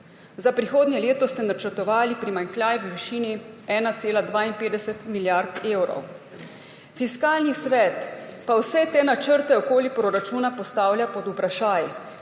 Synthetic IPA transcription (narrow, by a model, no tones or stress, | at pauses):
zapɾixoːd̪njɛleːt̪ɔst̪ɛnat͡ʃəɾt̪ɔʋaːlipɾimaŋklʲjaːjʋʋiʃiːniɛːnat̪seːlad̪ʋaːinpeːd̪ɛsɛt̪miljaɾt̪eːwɾɔ̰w | fiskaːlnisʋɛt̪pawsɛt̪eːnat͡ʃəɾt̪ɛɔkoːlipɾoɾat͡ʃuːnapɔst̪aːwljapɔd̪upɾaʃaːj